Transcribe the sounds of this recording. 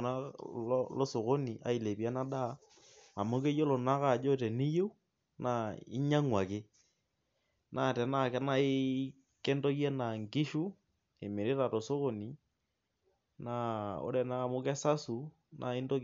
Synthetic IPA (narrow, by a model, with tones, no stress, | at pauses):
na˦ | lo˦so˨ɣo˦ni˨ʔa̰˨i˨le˨pi˨a˦na˦da˦˨ | a˨mo˦ke˦jo˦lo˨na˦ka˦˨d͡ʒo˦tɛ˨ni˦jo˦ | na˨i˦ɲa˦ŋwa˨kɪ˦ | nʔa˦˨tɛ˨na˦˨kɛ˦na˦ɪ˦ | kɛ˦ndo˦kja˦na˨ŋkɪ˦ʃu˦ | e˨me˨ɾe˦ɾa˨to˨so˦ko˨ni˨ | na˨o̰˦ɾɛ˨na˦˨mo˦kɛ˦sa˦su˨ | nʔa˨e˦ndo˦k